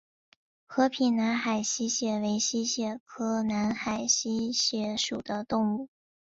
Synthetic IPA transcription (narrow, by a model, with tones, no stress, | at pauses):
xɤ˧˥pʰi˨˩nna˧˥nxa˨˩ɪɕi˥ɕjɛ˧˥˩we˧˥ɪɕi˥ɕjɛ˧˩kʰɤ˥na˧˥nxa˨˩ɪɕi˥ɕjɛ˧˥ʂu˨˩d̪ə˦t̪ʊ˥˧ŋu˥˩